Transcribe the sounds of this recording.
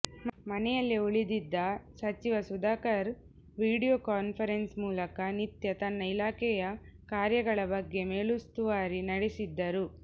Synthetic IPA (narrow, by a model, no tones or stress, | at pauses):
mɐnɛjɐlːiuɭid̪id̪ːɐsɐt͡ʃiʋɐsud̪aːkɐɾ | ʋiːɽijoːkaːnpʰɐɾensmuːlɐkɐnit̪jɐt̪ɐnːɐilaːkɛjɐkaːɾjɐɡɐɭɐbɐɡːe̞me̞ːɭust̪uʋaːɾinɐɽesid̪ːɐɾu